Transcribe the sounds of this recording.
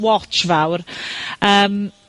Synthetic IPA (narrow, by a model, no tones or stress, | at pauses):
wɔt͡ʃvawrəːm